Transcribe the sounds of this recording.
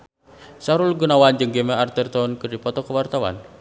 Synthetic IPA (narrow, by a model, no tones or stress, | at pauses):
saɾulɡunawand͡ʒɨŋɡemɛart̪ɛrt̪ɔnkɨrdipɔt̪ɔkəwart̪awa̰n